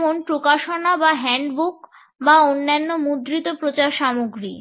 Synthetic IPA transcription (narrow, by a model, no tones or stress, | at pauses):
monpɾokaʃonabaɦɛɳɖbuk | baonːanːomud̪ɾit̪opɾot͡ɕaɾʃamoɡɾḭ